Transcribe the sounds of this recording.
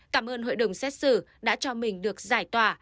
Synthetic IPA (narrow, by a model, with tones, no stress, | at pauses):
kaː˧˩mʔəː˧nhɦo̰˧˨jɗə˨˧˩wŋ͡msɛ˦˥t̚sɨ̰˧˩ | ɗa̰ː˧˥t͡ɕɔ˧mï˨˩ŋ̟ɗɨ˨˩ək̚zaː˧˩jt̪waː˨˩